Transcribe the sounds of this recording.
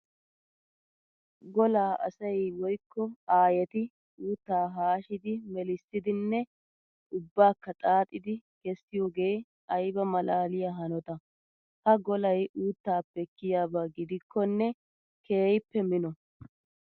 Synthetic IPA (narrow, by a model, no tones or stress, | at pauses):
ɡɔlaːʔɐ̰sɐjwɔjkːɔaːjɛt̪ɪ | uːt̪ːaːɦaːʃɪd̪ɪmɛlɪsːɪd̪ɪnːɛ | ʊbːaːkːɐt̪ʼaːt̪ʼːɪd̪ɪɡ̥ɛsːɪjoːɡe̞j | ɐjbɐmɐlaːlɪjaːɦɐnɔt̪ɐ | hɐɡɔlɐjuːt̪ːaːpːɛkːɪjaːbaːɡɪd̪ɪkʰːɔnːɛ | kʰeːjɪpːɛmɪnɔ